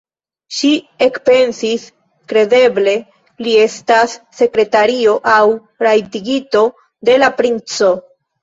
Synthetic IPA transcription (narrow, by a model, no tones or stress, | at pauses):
ʃi | e̞kpe̞nsis | kɾe̞de̞ble̞ | lie̞stasːe̞kɾe̞taɾio̞ʔaw | ɾajtiɡito̞ | de̞lapɾint͡so̞